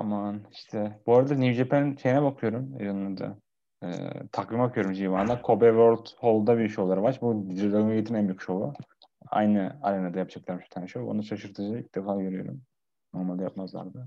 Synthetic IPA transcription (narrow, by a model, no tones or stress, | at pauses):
t̪ʰamaniʃt̪ʰɛbuɾad̪aɾnivd͡ʒepʰænʃe̞jinɛbakʰɯjo̞ɾumḛjanːˠad̪a̰ | ɯ̰ːt̪ʰakvimakʰɯjøoɾumd͡ʒijvand̪ˠakʰo̞bɛvoɾd̪holˠd̪abiiʃolˠaɾɯvaɾt͡ʃbud̪ɾid̪aɡnajet̪ʰimɛmjykʃou | a̰jnɯa̰ɾanad̪ajap̚d͡ʒaklˠaɾmʃy̥t̪ʰænʃoo̰nuʃʰaʃɯɾt̪ʰɯd͡ʒailʲc̚d̪efaːɟø̞ɾyjo̞̰ɾṵm | no̞ɾmalʲd̪ajapmazlˠa̰ɾd̪ɯ